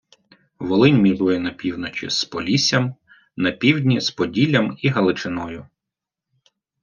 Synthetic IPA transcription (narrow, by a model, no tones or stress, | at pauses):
ʋɔlˠɪnʲmʲiɾujɛnɐpʲiwnɔt͡ʃʲḭspɔlʲisʲɐm | nɐpʲiwdʲnʲispɔdʲilʲːɐmiɦɐlˠɪt͡ʃɪnɔjʊ